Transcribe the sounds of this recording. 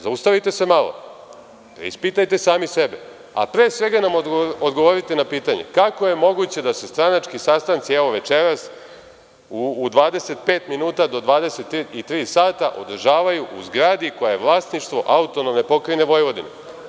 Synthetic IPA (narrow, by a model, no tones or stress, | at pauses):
zaust̪aʋit̪e̞semalˠo̰ | pɾ̰ḭspit̪ajt̪e̞saːmisebe | a̰pɾeːsʋe̞ɡanamod̪ɡoʋoɾit̪enapiːt̪aɲe̞̰kako̞je̞mo̞ɡut͡ɕe̞d̪ase̞st̪ɾanat͡ʃkisast̪ant̪siɛʋo̞ʋe̞t͡ʃeɾas | uːd̪ʋaːd̪e̞se̞t̪̚pe̞ːt̪minuːt̪ad̪o̞d̪ʋaːd̪e̞se̞t̪it̪ɾiːsaːt̪aʔo̰d̪r̩ʒaːʋajuʔuzɡɾaːd̪iko̞jajeʋlˠaːsniʃt̪ʋo̞ʔaut̪onomne̞po̞kɾijne̞ʋo̞jʋo̞d̪inḛ